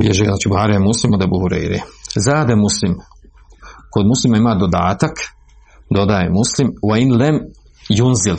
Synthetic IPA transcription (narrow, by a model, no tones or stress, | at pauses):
bjeʒeznaːt͡ʃibuhaːɾiemuslimod̪ebuhuɾḛjɾḭzaːd̪emuslim | kod̪muslimaimaːd̪od̪a̰ːt̪ak | d̪o̞d̪ajemuslimwainlem | junzil